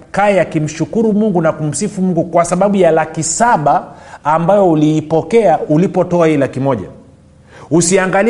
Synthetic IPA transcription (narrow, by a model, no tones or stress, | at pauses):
kaɛjakim̩ʃukuɾumuŋɡunakum̩sifumuŋɡukwasaɓaɓujalakisaɓaːmbajɔuliːpɔkɛaulipɔtɔahilakimɔʄa̰ | usiaŋɡal